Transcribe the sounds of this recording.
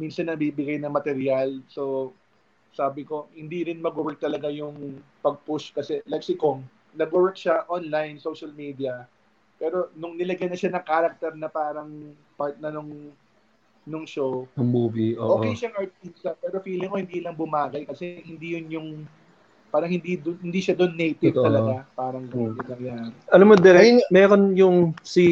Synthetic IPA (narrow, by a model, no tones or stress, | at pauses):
minsɐnːɐbibɪɡajnɐŋmɐt̪ɛɾjalso̞ | saːbɪko̞hɪnd̪iɾɪnmɐɡʊwɛɹk̚t̪ɐlɐɡajʊŋpɐɡ̚pʊʃkɐsɛlajk̚sɪkoŋ | nɐɡʊwɛɹk̚ʃaʔonlajnsowʃɐlmiːd̪iɐ | pɛːɾo̞nʊŋnɪlɐɡajnɐʃanɐŋkaːɾɐk̚t̪ɛɾnɐpaːɾɐŋ | paɹt̪̚nɐnʊŋ | nʊŋʃownʊŋmuːbiʔo̰ːʔoːʔkɛjʃaŋʔɐɹt̪̚t̪ist̪ɐpɛːɾo̞fiːlɪŋkohɪnd̪iːlɐŋbʊmaːɡɐjkɐsɛhɪnd̪ijʊnjʊŋ | paːɾɐŋhɪnd̪id̪ohɪnd̪iːʃad̪onːejt̪ɪɐlɐɡapaːɾɐŋɡɐɪnɐŋjaːɾɪʔɐlamod̪ɛɾnmɛɾonjʊŋsi